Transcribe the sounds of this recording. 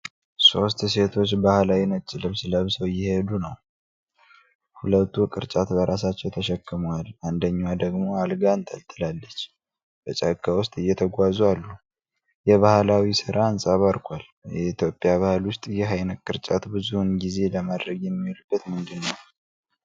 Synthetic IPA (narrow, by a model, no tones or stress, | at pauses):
so̞st̪se̞t̪ʰo̞t͡ʃːbahlawinət͡ʃːlɨβsləβsəwjɪhe̞d̪unəw | hulət̪ʰːukʼɨ̰ɾt͡ʃʼat̪bəɾʔasat͡ʃːɛwt̪ʰəʃɛkːɨmaland̪əɲːwad̪əɡmo̞alɡant̪ʰə̰lt̪ʰɨlalːət͡ʃː | bət͡ʃʼakːawʊst̪ʼɨjːɛt̪ʰəɡʷazualːu | jɛβahɨlawisɨɾʔaːnsʼaβaɾkʷʰal | jɛit̪ʰjo̞pʼːjaβahɨlwʊst̪ʼjɛɦajnəkʼːɨɾt͡ʃʼat̪bɨzuɨnɡize̞ləmad̪ɾəɡjɛmːiolubːət̪mɨnd̪ɨnːəw